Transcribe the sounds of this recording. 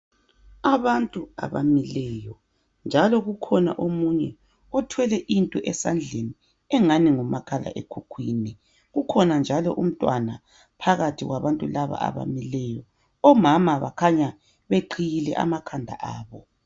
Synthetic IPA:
aβantʼua̰βa̰milɛjɔ | nd͡ʒʱalɔɣukʰɔna̰ʔomuɲɛ | ɔtʰwɛlɛʔintʼɔʔɛsand͡ɮʱeni | ɛŋaniŋumakʰala̰ʔekʰukʰwiːni | ɣukʰɔnand͡ʒʱalɔʔum̩tʼwana | pʰaɣatʰiɣwaβantʼulaβa̰a̰βa̰milɛjɔ | ɔmamaβa̰kʰaɲa | βeǃʰijilɛ̰ʔa̰makʰandʱa̰ʔaːβɔ

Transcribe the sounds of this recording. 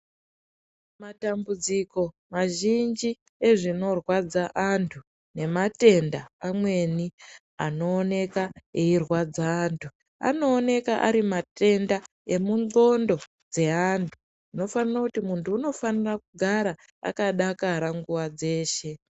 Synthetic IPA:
matambud͡ziko̞ | maʒind͡ʒi | e̞ʐino̞rwad͡zaʔantʰu | ne̞mate̞ndaamwe̞ni | ano̞ːne̞kaeirwad͡zaːntʰu | a̰no̞ːne̞kaʔaɾimate̞nda | e̞muno̞ndo̞ | d͡ze̞antʰu̥ | ino̞fanirakutimuntʰuːno̞fanirakuɡʱaɾa | a̰kaɗakaɾaŋɡuwad͡ze̞ːʃe̞

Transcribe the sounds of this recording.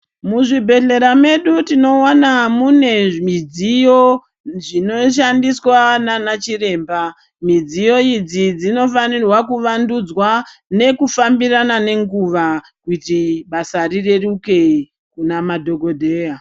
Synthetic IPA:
muʐibʱe̞ɮe̞ɾame̞ɗutino̞wanamune̞mid͡zijo̞ | ʐino̞ʃ̬andiswananat͡ʃire̞ːmba | mid͡zijo̞id͡zid͡zino̞fanirwakuʋandud͡zwane̞kufambiranane̞ŋɡuʋa | kutiɓasarire̞ruke̞i | kunamadʱo̞ɡo̞dʱe̞ːja

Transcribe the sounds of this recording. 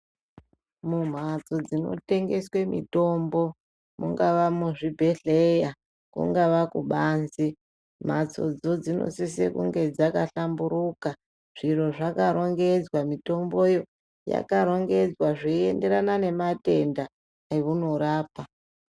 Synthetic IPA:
mum̤at͡so̞d͡zino̰te̞ŋɡe̞swe̞mḭto̞mbo̞ | muŋɡaʋamuʐibʱe̞ɬeja | kṵŋɡaʋakuɓaːnzi | m̤at͡so̞̰d͡zo̞d͡zino̰sisḛkṵŋɡe̞d͡zakaɬambuɾuka | ʐ̥iro̞ʐakaɾo̞ŋɡe̞d͡zwamito̞mbo̞jo̞ | ja̰kaɾo̞ŋɡe̞d͡zwaʐiende̞ɾanane̞mate̞nda | iʋunoɾaːpa

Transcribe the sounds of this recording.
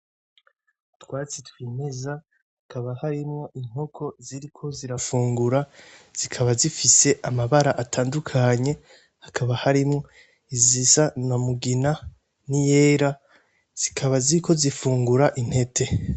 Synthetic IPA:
twaːt͡sitwiːmiza | hakaβahaɾimŋo̞ʔiŋ̥ho̞kʰo̞ziɾikʰo̞ziɾafuːŋɡuɾaz̥ikʰaβazifise̞ʔamaβaɾaʔatʰaːndukʰaɲe̞ | hakʰaβahaɾimŋo̞ | izisanamuɡina | nijeːɾa | z̥ikʰaβaziɾikʰo̞zifuːŋɡuɾaʔin̥he̞tʰe̞

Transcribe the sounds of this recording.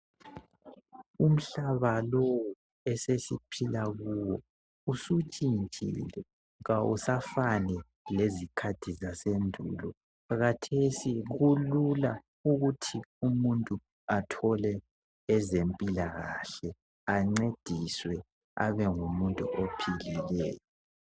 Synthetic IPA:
um̩ɬaβalowu | ɛsesipʰilaɣuwɔ | usut͡ʃʼint͡ʃʼḭlɛ | ɣawusafanɛ | lezikʰatʰizasendʱṵlɔ | ɣatʰesiɣulula | uɣutʰiumuntʼu | atʰɔlɛː | zempʼilaɣa̰ɬɛ | aŋ͡ǀed̥ʱiswɛ | a̰βɛŋumuntʼṵʔopʰililɛːjɔ

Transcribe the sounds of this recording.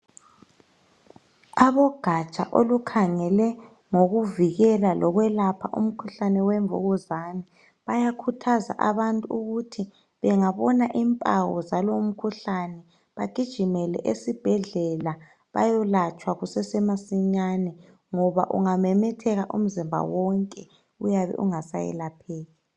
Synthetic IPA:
aβɔɡ̥ʱat͡ʃʼa̰ʔo̰lukʰaŋɛlɛ | ŋoɣuviɣɛlalʔɔɣwɛlapʰaʔṵm̩kʰuɬanɛwɛɱvṵɣɔzanɛ | βajakʰutʰaza̰ʔaβantʼuuɣutʰi | βɛŋaβɔnaʔimpʼaɣɔ̰zalom̩kʰuɬanɛ | βaɡ̥ʱid̥ʒ̥ʱimɛlɛ̰ʔesib̥ʱɛɮɛla | βa̰jɔlat͡ʃʼwaɣusɛsɛmasiɲanɛ | ŋɔβa̰ʔṵŋamɛmɛtʰɛɣaʔum̩zimbʱa̰wɔŋkʼɛ | ujaβɛ̰ʔṵŋasa̰jɛ̰lapʰɛːɣi

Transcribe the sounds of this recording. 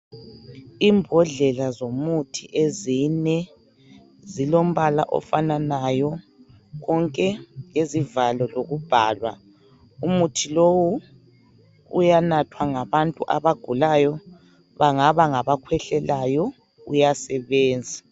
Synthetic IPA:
imbʱɔɮɛlazomutʰiʔezinɛ | zilom̩βala̰ʔɔ̰fananajɔ | ɣɔŋkʼɛjezivalɔloɣub̥ʱa̰ːlwa̰ | umutʰilowu | ṵjanatʰwaŋaβantʼuʔaβaɡ̥ʱulajɔ | βaŋaβaŋaβakʰwɛɬɛlajɔ | ṵjasɛβɛːnd͡zʱa

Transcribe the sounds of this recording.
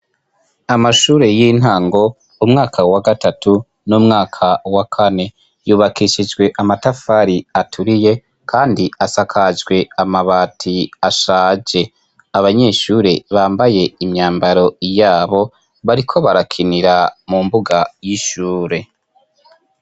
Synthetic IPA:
amaʃuːɾe̞jin̥ɦaːŋɡo̞ | umŋaːkʰawaɡatatu | numŋaːkʰawakʰane̞ | juːβakiʃid͡ʒɡwe̞ʔamatafaːɾiatʰuɾije̞ | kʰaːndiasakʰad͡ʒɡwe̞amaβaːtʰiaʃaːd͡ʒe̞ | aβaɲe̞ːʃuːɾe̞βaːmbaje̞imɲaːmbaɾo̞jaːβo̞ | βaɾikʰo̞βaɾakʰiniɾamumbuɡajiʃuːɾe̞

